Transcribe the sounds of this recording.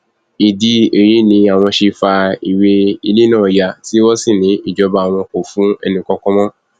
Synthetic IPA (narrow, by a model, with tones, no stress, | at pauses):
i˨di˧e˨ɾi˨˦nĩ˨˧a˨w̃ɔ̃˧ʃe˧fa˧i˨we˧i˧le˦nãː˦˨ja˧ti˦wɔ˦si˦˨nĩ˨˦i˦˨d͡ʒɔ˧ba˧a˨w̃ɔ̃˧ko˨fũ˨˦ɛ̰˧nĩ˧kɔ˧kɔ̃˦mɔ̃˦